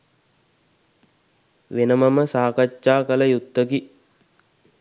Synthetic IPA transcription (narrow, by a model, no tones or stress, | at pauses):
ʋenəmɐməsaːkat͡ʃʃaːkələjut̪ːəki